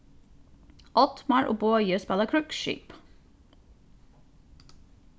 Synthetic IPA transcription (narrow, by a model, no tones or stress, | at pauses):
ʔɔt̪mɑɹʔo̰ːboːjøːspɛləkʰɹʉkʃḭːp